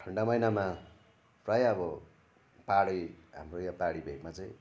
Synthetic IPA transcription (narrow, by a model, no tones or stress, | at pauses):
ʈʰʌɳɖamʌjnama | prajʌbʌ | paɽʌɦa̰mrojapaɽibʱeɡmat͡sʌĩ